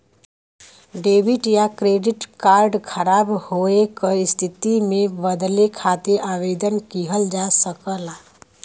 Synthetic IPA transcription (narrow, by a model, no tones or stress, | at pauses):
ɖebʱiʈjakɾeɖiʈkaɾɖkʰəɾabhoekəist̪ʰit̪imẽbəd̪lekʰat̪eʔaʋed̪ənkiɦəld͡ʒasəkəla